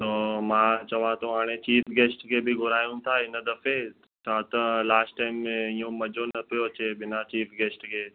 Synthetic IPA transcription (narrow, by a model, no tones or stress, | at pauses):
t̪oːmãt͡ɕɐʋãt̪õɦaːɽ̃et͡ɕiːfɡeːsʈkʰebʱiɡʱʊɾaːjũt̪ʰaɪnəd̪ɐfe | t͡ʃʰaːt̪ɐlaːsʈːaɪmːẽijõmɐd͡ʒonɐpijoɐt͡ɕebɪnat͡ɕiːfɡeːsʈkʰe